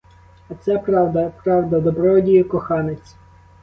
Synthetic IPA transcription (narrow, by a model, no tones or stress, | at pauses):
ɐt̪sɛpɾɑwd̪ɐpɾɑwd̪ɐd̪ɔbɾɔdʲijikɔxɑnet͡sʲ